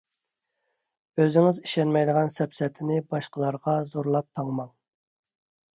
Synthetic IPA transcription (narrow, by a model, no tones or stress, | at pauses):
øzɪŋɪziʃɛnmɛjd̪əʁɑnsɛpsɛt̪ʰɪnɪbɑʃqəlˠɑɾʁɑzoɾlˠɑp̚t̪ʰɑŋmɑŋ